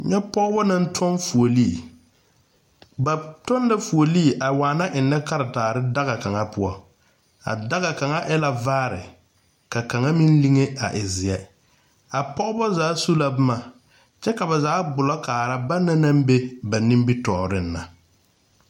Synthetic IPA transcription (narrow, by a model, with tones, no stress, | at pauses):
ɲɛ˦pɔ˦bɔ˦na˦n̩˦tʰɔ˦nfu˨o˨li˦˨ | ba˨tɔ˦nla˦fu˨o˨li˦˨ʔa˨waː˨na˦ʔɪ˨nːɛ˦ka˦ɾa˨taː˨ɾɪ˦da˦ɣa˨ka˨ŋa˦pʊ˦ɔ˦ | a̰˨da˦ɣa˨ka˨ŋa˦ʔɛ˦la˨vaː˦ɾɪ̰˨ | ka˨ka˨ŋa˦mi˦n˦li˦ŋe˦a˨ʔɪ˨zɪ˨ɛ˦ | a˨pɔ˦bɔ˦zaː˨˦su˦la˦bɪ˦ma˨ | t͡ʃɛ˦ka˨ba˨zaː˨˦ɡ͡bʊ˨lɔ˦kaː˨ɾa˦ba˦nːa˦na˦m˦be˦ba˨nĩ˦m˦bi˦tɔː˨ɾɪ˦n̩ː˦a˨